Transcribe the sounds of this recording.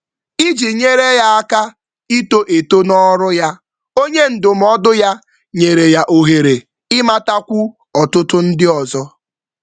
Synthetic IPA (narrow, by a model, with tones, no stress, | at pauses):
i˦d͡ʒi˨ɲe˦ɾe˦ja˦a˦ka˦ | i˦to˦ʔe˨to˦nɔ˦ɾʊ˦ja˦ | o˦ɲe˦n̩˨dʊ˨m̩˨ɔ˦dʊ˦ja˦ | ɲe˨ɾe˨ja˦ʔo˨ɦe˨ɾe˨ | ɪ˦ma˦ta˦kʷu˦ | ɔ˨tʊ˦tʊ˦n̩˦dɪ˦ɔ˨zɔ˦